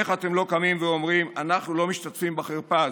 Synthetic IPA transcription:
eχat̪e̞mlo̞kamimveo̞mʁimanaχnulo̞miʃt̪atfimbaχeʁpa

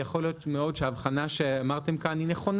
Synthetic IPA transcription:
jaχo̞lijo̞tmeo̞dʃeaːvχanaʃeamaʁt̪e̞mkanineχo̞n

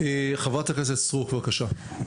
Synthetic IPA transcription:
eχavat̪akes̬etsʁukvakaʃa

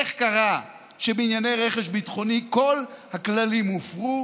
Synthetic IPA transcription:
eχkaʁa | ʃebeinjane̞jʁeχeʃbitχo̞niko̞lhaklalimofʁu

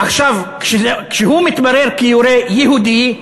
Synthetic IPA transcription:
aχʃavkʃekʃeɦumit̪baɾeɾkijoɾejeɦud̪i

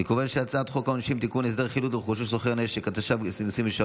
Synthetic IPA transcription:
ekovanʃeat͡saːt̪χokaonaʃimt̪ikunes̬d̪eʁχilut̪d̪χuʃuʃszoχeʁneʃekat̪aʃavsisimeʃa

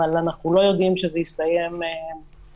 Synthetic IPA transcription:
alanaχnulo̞jo̞d̪imʃezeist̪ajeme

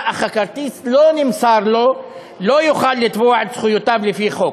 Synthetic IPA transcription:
ʔaxakɑɾˤt̪iːslonɪmsɑːɾˤlo | lojʊxaːlːɪt̪buʕsxʊjʊt̪ablɪfixoːk

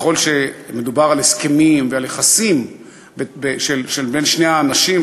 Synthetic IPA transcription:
χo̞lʃeme̞dubaʁaleskemimvealjeχasim | bebeʃelʃelbenʃneaːnaʃim

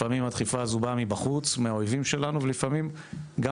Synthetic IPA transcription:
amimhat̪χifaːzubamibaχut͡smeaojvimʃe̞lanuvelifamim | ɡa

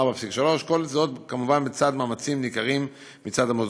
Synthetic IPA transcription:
bafsikʃalo̞ʃko̞lt͡sadot̪kamuvanbet͡sad̪maːmat͡simnikaʁimː | it͡sad̪amoz

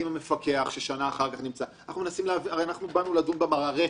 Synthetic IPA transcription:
imame̞fake̞aχʃeʃanaːχaʁkaχnimt͡sannaχnumenasimleaviaʁejanaχnubanuladumbemaʁaʁe

